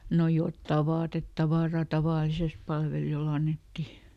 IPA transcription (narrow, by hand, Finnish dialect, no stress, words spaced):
no jotːɑˑ ʋɑːtetːɑʋɑˑrɑ tɑʋɑˑlises pɑlʋelij̆ol ɑnːetːi